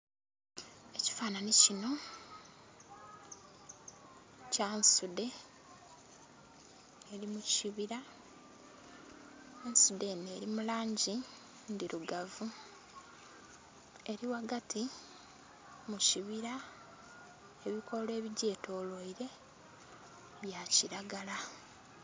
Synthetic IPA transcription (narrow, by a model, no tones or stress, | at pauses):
e̞ci̥faːnanicino̞ | cansude̞ | eɾimuciβiɾa | ensude̞ne̞ːɾimulaːɲɟi | ndiɾuɡavu | e̞ɾiwaɡati | muciβiɾa | eβikʰo̞lwe̞ːβiɟe̞ːto̞ːloiɾe̞ | βjaciɾaɡala